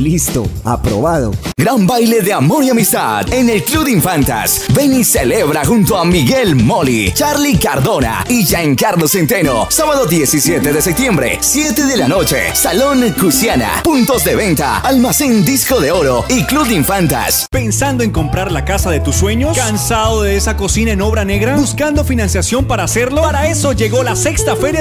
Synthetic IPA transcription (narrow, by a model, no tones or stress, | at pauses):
list̪o̰a̰pɾo̰βaðo̰ | ɡɾambajle̞ðeamo̞ɾiamist̪a̰ðe̞ne̞lkluβðiɱfant̪a̰sbe̞niseleβɾaxunt̪oamiɣelmo̞lit͡ʃaɾlikaɾðo̞na̰iʝaŋkaɾlo̞sent̪eno̰saβaðo̞ðjesisjet̪eðe̞sep̚t̪je̞mbɾe̞̰ssje̞t̪eðelano̞t͡ʃḛsalo̞ŋkusjana̰punt̪o̞zðe̞βe̞nt̪a̰almasend̪isko̞ðe̞o̞ɾoiklub̚ðiɱfant̪a̰spe̞nsand̪o̞eŋko̞mpɾaɾlakasaðe̞t̪usːwe̞ɲo̞skansaðoðeesako̞sinaeno̞βɾane̞ɣɾabuskand̪ofinãnsjasjo̞mpaɾaːse̞ɾlo̞paɾae̞so̞ʝe̞ɣo̞lase̞kst̪afe̞ɾja